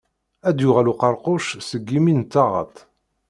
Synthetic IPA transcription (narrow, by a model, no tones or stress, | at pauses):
æd̪jʊʁæluqɑɾqʊʃsəɡːimint̪ːɑʁə̰t̪